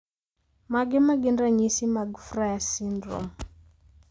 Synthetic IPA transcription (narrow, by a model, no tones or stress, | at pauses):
maɡɪmaɡɪndaɲisimaɡfrajasindro̰m